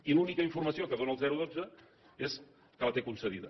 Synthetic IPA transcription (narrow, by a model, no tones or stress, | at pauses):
ilunikəiɱfurməsiokəðonəlˠzɛɾuðod͡zə | es | kələt̪ekunsəðiðə